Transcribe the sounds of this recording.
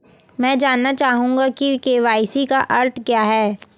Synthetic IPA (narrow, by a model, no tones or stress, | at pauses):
mɛ̃ːd͡ʒaːnːat͡ʃaːɦũːŋɡakikeːʋaːɪsikaʔɐɾt̪ʰkjaːɦɛː